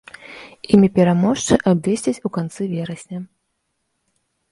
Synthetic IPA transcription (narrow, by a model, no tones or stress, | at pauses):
imʲipʲɛɾamɔʂt͡ʂɨʔabd̪ʲɛsʲt͡sʲit͡sʲukant̪sɨvʲɛɾɐsʲnʲɐ